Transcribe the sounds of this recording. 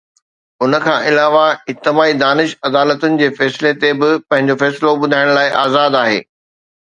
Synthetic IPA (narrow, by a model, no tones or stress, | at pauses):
ʊnəkʰãːʔɪlaːʋaɪt̪ɪmaːid̪aːnɪʃɐd̪aːlət̪ʊnɪ̆d͡ʑeːfɛːsɪlet̪ebɪpɐ̃ɦɪ̃ɲ̆d͡ʑofɛːslobʊd̪ʱaːɪɽ̃laːɪʔa̰ːzaːd̪aːɦḛː